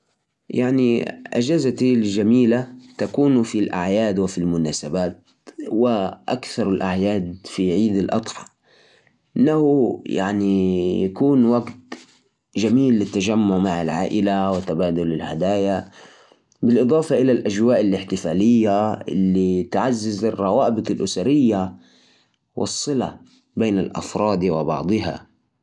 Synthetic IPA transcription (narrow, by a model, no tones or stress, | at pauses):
jaʕniʔa̰d͡ʒazat̪ilʒamiːlat̪akuːnfilʔa̰ʕjaːd̪wɪfilmʊnaːsabaːt̪̚ | wɪʔakθɑɾˤɪlʔaʕjaːd̪fiʕiːd̪ɪlʔɑ̰t̪ˤħɑ̥ | ʔʔɪnːahuja̰ʕnijakuːnwaɡt̪ | ʒamiːlːɪt̪ːaʒamːʊʕmaʕɪlʕa̰ːʔɪlawɪt̪abaːd̪ʊlɪlhad̪aːja | bɪlʔɨd̪ˤɑːfɑʔɪlalʔaʒwaːʔɪlːɪħt̪ɪfaːlɪjːaɪ̰lːit̪ʕazːazɨrˤːɑwaːbɨt̪ˤɨlʔʊsaɾɪjːa | wʔɨ̰sˤːɨla̰ | beːnɪlʔɑ̰fɾˤɑːd̪wɪbɑ̰ʕd̪ˤɨɦa̰